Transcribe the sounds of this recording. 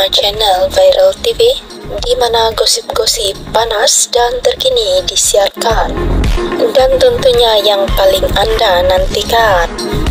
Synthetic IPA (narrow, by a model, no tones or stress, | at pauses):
d͡ʒɛnəlvajɾʔəlt̪ifi | dimanaɡɔsip̚ɡɔsipːanasdant̪ərkinidisiarkan | dant̪ɔnt̪uɲajaŋpalɪŋandanant̪ikan